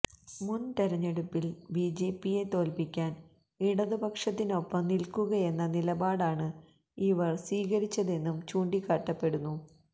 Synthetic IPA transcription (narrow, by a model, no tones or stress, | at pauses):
munt̪eɾɐɲːeɽupːilbiːd͡ʑe̞ːpːije̞t̪o̞ːlpikʲːaːn | iɽɐðɨbɐkʂɐt̪ːino̞pːɐmnilkuɣɐje̞nːɐnilɐbaːɽaːɳɨ | iʋɐrsiːɣɐɾit͡ɕːɐðe̞nːumt͡ɕuːɳɖikːaʈːɐpːe̞ɽunːu